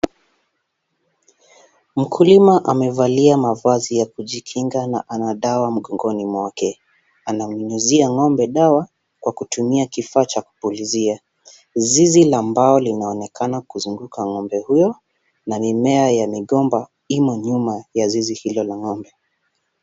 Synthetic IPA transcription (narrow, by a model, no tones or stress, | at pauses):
m̩kʰulimaʔamɛvaliamavazijakuʄikʰiŋɡana̰ʔanaɗawam̩ɠɔŋɡɔnimwakɛ | anamnunuziaŋɔmbɛɗawa | kwakutumiakifaːt͡ʃaku̥pulizia | zizilaːmbaɔlinaɔnɛkʰanakuzuŋɡukʰaŋɔmbɛhujɔ | namimɛajamiɠɔmba | imɔɲumajazizihilɔlaŋɔmbɛ